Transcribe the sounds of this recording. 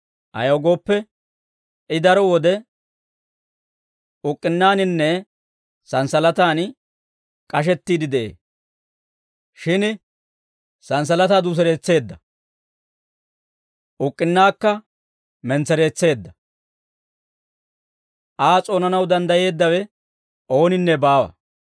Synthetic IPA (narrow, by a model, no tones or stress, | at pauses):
ʔɐ̰jɐwɡo̞ːpːɛ | ɪd̪ɐɾɔwɔd̪ɛ | ʊkʼːɪnːaːnɪnːɛ | sɐnsɐlɐt̪aːn | kʼɐʃ̬ɛt̪ːiːd̪ɪd̪ɛʔḛː | ʃɪn | sɐns̬ɐlɐt̪aːd̪uːs̬ɛɾe̞ːt͡sːe̞ːd̪ːɐ | ʔʊkʼːɪnːaːkːɐ | mɛnt͡sɛɾe̞ːt͡sːe̞ːd̪ːɐ | ʔaːt͡sʼo̞ːnɐnɐwd̪ɐnd̪ɐje̞ːd̪ːɐwɛ | ʔo̞ːnɪnːɛbaːwɐ̰